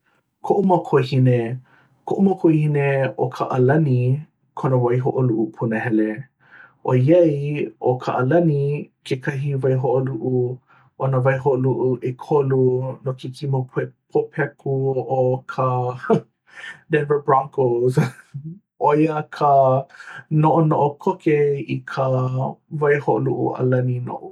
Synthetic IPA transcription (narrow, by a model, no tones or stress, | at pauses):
kʰoʔumɐkʰojhine | kʰoʔumɐkʰojhineokʰaʔɐlɐni | kʰonɐvajɦoʔoluʔupʰunəɦɛle | ʔo̰jejʔokʰa̰ʔɐlɐnikʰekʰɐɦivajɦoʔoluʔu | ʔonavajɦoʔluʔuʔekʰolunokikʰimopʰepʰopʰɛkuokʰa | dɛnvə˞bɹaŋkoz | ojakʰa | noʔonoʔokʰokeikʰavajhoʔluʔṵa̰lɐnino̰ʔu